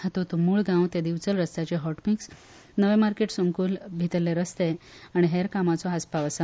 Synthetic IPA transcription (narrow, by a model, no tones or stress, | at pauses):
hat̪ot̪umuːɭɡãwt̪ed̪iʋt͡səlɾəst̪at͡ɕeɦɔʈmiks | nəʋemaɾkeʈsomkuːlbʱit̪əlːeɾəst̪eaɽ̃iɦeɾkamat͡sɔɦaspaʋəsa